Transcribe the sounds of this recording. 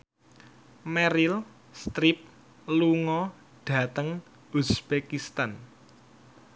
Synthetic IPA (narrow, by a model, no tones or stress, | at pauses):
mɛɾil | st̪ɾip̚ | luŋɔ | ɖ̥ä̤t̪əŋ | usb̥ekist̪an